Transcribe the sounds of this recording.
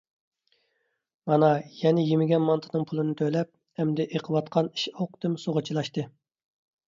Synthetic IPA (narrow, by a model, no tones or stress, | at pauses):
mɑnɑjɛnɪjimɪɡʲɛnmɑnt̪ʰɨnɨŋpʰulˠɨnɨt̪ʰølɛp̚ | hɛmd̪ɛʔeqʰəwɑt̪qʰɑni̥ʃoqd̪ɨmsoʁət͡ʃʰilˠɑʃt̪ɨ